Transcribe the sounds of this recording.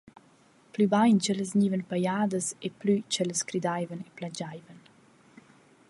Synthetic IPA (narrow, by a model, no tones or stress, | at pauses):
plybajnt͡ʃələs̬ɲiːvənpajaːd̪əseplyt͡ʃɛləskɾid̪ajvəneplad͡ʒajvən